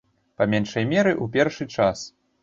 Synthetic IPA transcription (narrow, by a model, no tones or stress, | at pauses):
pamʲɛnʂɐjmʲɛɾɨʔup̬ʲɛrʂɨt͡ʂas